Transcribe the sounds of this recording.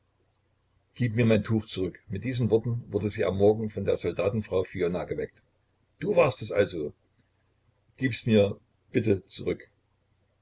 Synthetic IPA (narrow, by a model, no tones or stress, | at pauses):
ɡ̥iːpmiːɐmaɪntʰuːxt͡suʁʏkmɪt̚d̥iːzən̩vɔɐtn̩vʊɐdəziːa̰mːɔɐɡŋ̩fɔndeːɐz̥ɔldaːtn̩fʁ̥aʊfionaɡəvɛkt | d̥uːvaɐstɛsʔa̰lzoː | ɡ̥iːpstmiːɐ | b̥ɪtət͡suʁʏk